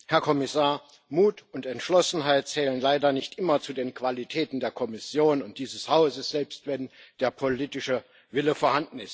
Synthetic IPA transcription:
hɛɐkʰɔmɪsaːɐ | muːtʊntɛntʃlɔsn̩ɦaɪt̚t͡sɛːlənlaɪdɐnɪçtʔɪmɐt͡sudeːnkv̥alitʰɛːtn̩deːɐkʰɔmɪsjoːnʊnt̚d̥iːzəshaʊzəsz̥ɛlpstv̥ɛnd̥eːɐpʰoliːtɪʃə | vɪləfoːɐhandn̩ɪst

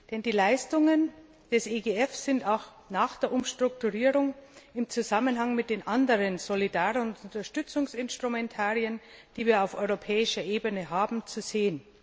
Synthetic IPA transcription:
d̥ɛndiːlaɪstʊŋən | d̥ɛseɡeɛfsɪntaʊx | naːxd̥eːɐʔʊmʃtʁ̥ʊk̚tuʁiːʁʊŋɪmt͡suzamənɦaŋmɪt̚d̥eːnʔandəʁənz̥olidaːʁənʊntʊntɐʃtʏt͡sʊŋsɪnstʁ̥umɛntʰaːʁiənd̥iːviːɐaʊfʔɔʏʁopʰɛːɪʃɐʔeːbənəɦaːbm̩t͡suz̥eːən

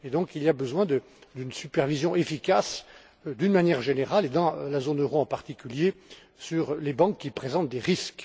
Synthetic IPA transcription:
ed̪ɔ̃kiliabəzwɛ̃d̪ə | d̪ynsypɛʁvizjɔ̃ʔefikas | d̪ynmanjɛʁʒeneʁaled̪ɑ̃lazonøʁoɑ̃paʁt̪ikʲylje | syʁlebɑ̃kːipχezɑ̃t̪̚d̪eʁisk

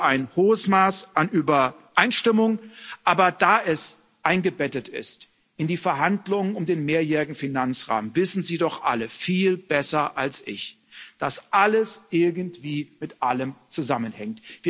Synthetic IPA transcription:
aɪnhoːəsmaːsʔanʔyːbɐʔaɪnʃtɪmʊŋʔaːbɐdaːʔɛs | ʔaɪnɡəbɛtətɪ̰st | ɪndiːfɛɐɦandlʊŋənʊmdeːnmeːɐjɛːʁɪɡŋ̩finant͡sʁa̰ːmənvɪsn̩ziːdɔχʔa̰ləfiːlb̥ɛsɐʔalsʔɪ̰ç | d̥asʔaləsʔɪɐɡn̩tv̥iːmɪtʔaləmt͡suzamənhɛŋtviːɐ

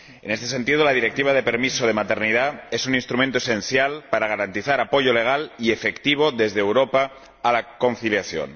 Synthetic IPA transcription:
ene̞st̪ese̞nt̪iðolað̞iɾe̞k̚t̪iβ̞aðe̞pe̞ɾmisoð̞e̞mat̪e̞ɾnið̞ae̞suninst̪ɾumẽnt̪oese̞n̟θjalpaɾaɣ̞aɾant̪iθaɾapo̞ʝo̞le̞ɣ̞aliefe̞kt̪iβ̞oðe̞zðeːwɾopaː | lako̞n̟θiljaθjo̰n

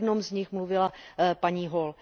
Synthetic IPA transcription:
dnomzɲɪxmluvɪlapaɲiːɦol

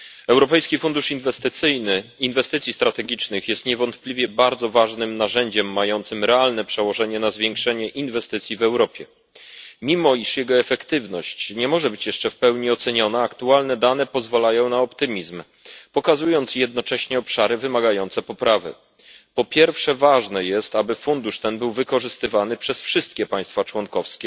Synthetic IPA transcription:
ɛwɾɔpɛjskʲifund̪uʂinvɛst̪ɘt̪sɘjnɘinvɛst̪ɘt̪sʲjist̪ɾat̪ɛɡʲit͡ʂnɘxjɛst̪ɲɛvɔnt̪plʲivʲjɛbaɾd̪zɔvaʐnɘmnaʐɛɲd͡ʑɛmːajɔnt̪sɘmɾɛalnɛpʂɛwɔʐɛɲɛnazvʲjɛŋkʂɛɲɛʔinvɛst̪ɘt̪sʲjivɛwɾɔpʲjɛ | mʲimɔiʂjɛɡɔɛfɛkt̪ɘvnɔɕt͡ɕɲɛmɔʐɛbɘt͡ɕjɛʂt͡ʂɛfpɛwɲiɔt̪sɛɲɔnaːkt̪ualnɛd̪an̪ɛpɔzvalajɔ̃w̃naɔpt̪ɘmʲizm | pɔkazujɔnt̪sjɛd̪nɔt͡ʂɛɕɲɛɔpʂaɾɘvɘmaɡajɔnt̪sɛpɔpɾavɘ̰ | pɔpʲjɛɾfʂɛvaʐnɛjɛst̪abɘfund̪uʂt̪ɛnbɘwvɘkɔʐɘst̪ɘvanɘpʂɛsfʂɘst̪̚kʲɛpaj̃st̪fat͡ʂwɔnkɔfskʲɛ

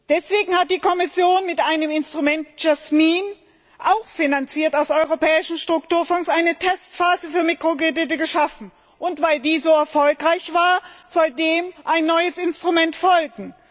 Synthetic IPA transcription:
d̥ɛsv̥eːɡŋ̩hat̚d̥iːkʰɔmɪsjoːnmɪtʔaɪnəmɪnstʁ̥umɛnt̚d͡ʒ̥asmin | ʔaʊxfinant͡siːɐtaʊsɔʏʁopʰɛːɪʃn̩ʃtʁ̥ʊk̚tuːɐfɔŋsʔaɪnətʰɛstfaːzəfyːɐmiːkʁ̥oɡʁedɪt̬əɡəʃafn̩ | ʔʊntv̥aɪldiːzoːɛɐfɔlkʁaɪçv̥aːɐz̥ɔldeːmʔaɪnːɔʏəsɪnstʁ̥umɛntfɔlɡŋ̩

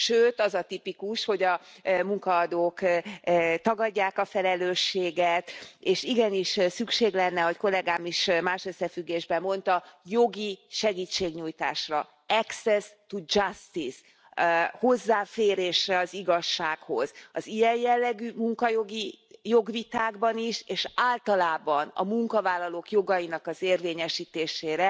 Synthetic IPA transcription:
ʃøːt̪ɒzɒt̪ipikuʃho̞ɟɒmuŋkɒːd̪oːk | t̪ɒɡɒɟːaːkɒfɛlɛløːʃːeːɡɛt̪eːʃiɡɛniʃsykʃeːɡlɛnːɛɦo̞cko̞lɛɡaːmiʃmaːʃø̞sːɛfyɡːeːʒbɛmːo̞nt̪ɒjo̞ɡiʃɛɡiːt͡ʃːeːɡɲujt̪a̰ːʃrɒ | ɛksɛst̪ud͡ʒɒst̪is | ho̞zːaːfeːɾeːʃrɛɒziɡɒʃːaːkho̞z̥ɒzijɛjjɛlːɛɡyːmuŋkɒjo̞ɡijo̞ɡʋit̪aːɡbɒniʃeːʃaːlt̪ɒlaːbɒnɒ̰muŋkɒvaːlːɒlokjo̞ɡɒjinɒkɒzeːrveːɲɛʃiːt̪eːʃeːɾɛ

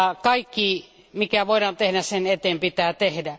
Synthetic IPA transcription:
kɑikːiː | mikæʋoˑiɾɑːnt̪ehdæssenet̪eːmpit̪æːt̪ehdæ

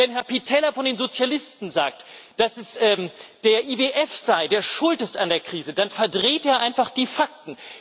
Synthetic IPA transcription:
vɛnɦɛɐpitʰɛlɐfɔndeːnzot͡sjalɪstn̩zaːk̚td̥asɛsʔɛːd̥eːɐʔiːbeʔɛfz̥aɪdeːɐʃʊltɪstandeːɐkʁ̥iːzədanfɛɐdʁeːtʔeːɐʔaɪnfaχd̥iːfak̚tn̩

